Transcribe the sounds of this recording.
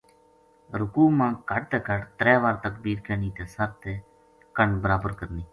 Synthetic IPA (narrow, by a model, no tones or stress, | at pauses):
ɾʊkuːmãːkəɖ̚t̪eːkəɖt̪ɾɛːʋaːɾt̪ək̚biːɾkəːniːt̪eːsəɾt̪eː | kəɳbəɾaːbəɾkəɾniː